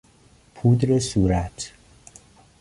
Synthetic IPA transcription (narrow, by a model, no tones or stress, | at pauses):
pʰud̪ɾesuːɾæt̪ʰ